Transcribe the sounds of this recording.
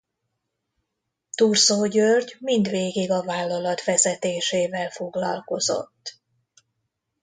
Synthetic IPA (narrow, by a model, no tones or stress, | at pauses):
t̪uːrsoːɟørɟmind̪ʋeːɡiɡɒvaːlːɒlɒt̪ʋɛzɛt̪eːʃeːvɛlfo̞ɡlɒ̰lko̞zo̰t̪ː